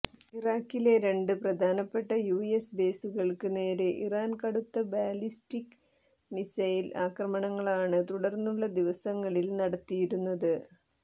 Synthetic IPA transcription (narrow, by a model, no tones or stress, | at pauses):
iraːkːile̞ɾe̞ɳɖɨprɐd̪ʱaːnɐpːe̞ʈːɐjuːesbe̞ːsuɣɐɭkɨne̞ːɾeʔiraːnkɐɽut̪ːɐbaːlistikː | misɐjilaːkrɐmɐɳɐŋːɐɭaːɳɨt̪uɽɐrnːuɭːɐd̪iʋɐsɐŋːɐɭilnɐɽɐt̪ːijiɾunːɐðɨ